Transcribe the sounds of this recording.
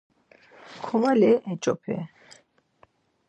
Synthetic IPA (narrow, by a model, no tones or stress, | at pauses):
kʰɔmalɛʔɛt͡ʃʼɔ̰pʰɛ̰